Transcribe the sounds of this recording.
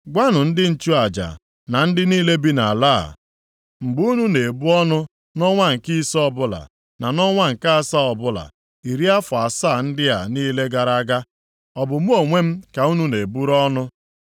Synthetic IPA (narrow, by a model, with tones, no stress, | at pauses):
ɡʷa˦nʊ˨n̩˦dɪ˦n̩˨t͡ʃu˦a˨d͡ʒa̰˨ | na˨n̩˦dɪ˦niː˦le˦bi˦na˨laː˦˨ | ŋ͡m̩˨ɡ͡bu˦nu˦ne˨bu˦ɔ˦nʊ˦ | nɔ˦ŋʷa˦ŋ̩˨ki˦sɔ˦bʊ˦la̰˨ | na˨nɔ˦ŋʷa˦ŋ̩˨ka˦a˨sa˦ɔ˨bʊ˦la̰˨ | i˨ɾi˦a˦fʊ˨a˨saː˦˨n̩˦dɪ˦a˨niː˦le˦ɡa˨ɾa˦ɡa˦ | ɔ˨bʊ˨mu˦o˨ŋʷe˦m̩˦ka˨u˦nu˦ne˨bu˦ɾɔ˦nʊ˦